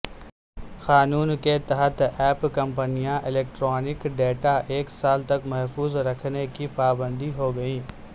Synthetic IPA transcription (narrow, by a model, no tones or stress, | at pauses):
xaːnuːnket̪ɐɦət̪ɛːpkɐ̃mpənijãʔɪleːk̚ʈɾɔːnɪkɖeːʈaʔeːksaːlt̪ɐkmɛɦfuːzɾɐkʰnekipaːbə̃nd̪iɦoːɡɐĩː